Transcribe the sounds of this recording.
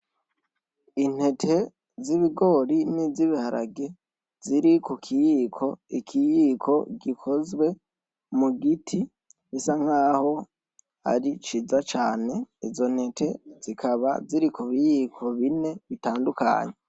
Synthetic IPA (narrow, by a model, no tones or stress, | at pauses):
in̥he̞tʰe̞ | ziβiɡo̞ːɾiniziβihaɾa̰ɡe | ziɾikukʰijiːkʰo̞ikʰijikʰo̞ɡikʰo̞zwe̞ | muɡitʰi | βisaŋ̥haːho̞ | a̰ɾit͡ʃizat͡ʃaːne̞izo̞n̥he̞tʰe̞z̥ikʰaβa̰ziɾikuβijikʰo̞βine̞βitaːnduka̰ːɲe